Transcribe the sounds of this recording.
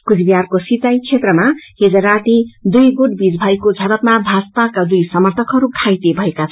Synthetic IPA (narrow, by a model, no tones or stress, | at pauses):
kud͡zbijarkosit̪ajt͡sʰet̪rʌmaɦed͡zʌɾaʈid̪ujɡoʈbid͡zbʱʌjkod͡zʱʌɾʌpmabʱaspakad̪ujsʌmʌrt̪ʰʌkɦʌɾukʰajt̪ebʱʌekat͡sʰʌ